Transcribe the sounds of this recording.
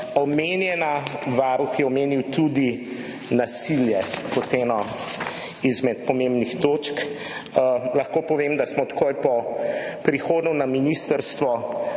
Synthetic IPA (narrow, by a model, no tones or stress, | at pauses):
ɔmeːnjɛnaʋaɾuxjɛɔmeːniwt̪ud̪i | nasiljɛkɔt̪ɛnɔ | izmɛt̪̚pɔmẽmbnixt̪oːt͡ʃk | laxkoːpɔʋeːmd̪asmɔt̪kojpɔpɾixoːd̪nunaminist̪əɾst̪ʋɔ